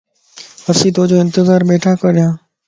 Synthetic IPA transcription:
əɾsiːt̪oːd͡ʒoːɪ̃nt̪ɪzaːɾɓeːʈʰaːkəɾɗɪjãː

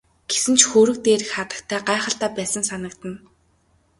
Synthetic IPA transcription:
ɡ̥e̥sɘ̆nt͡ɕxɵːɾɵ̆k̚t̪eːɾɘ̆xχat̪ə̆kt̪ʰæːɢaːχə̆ɬt̪æːpæːsə̆nsanə̆kt̪ə̆n

